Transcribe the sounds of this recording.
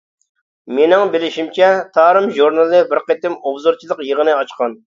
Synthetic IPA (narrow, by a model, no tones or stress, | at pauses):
menɪŋbɪlɪʃimt͡ʃʰɛt̪ʰɑːɾɨmʒuɾnɨlˠɨbɪɾqet̪ɪmobzoɾt͡ʃʰilˠəqjəʁənɨɑt͡ʃqɑn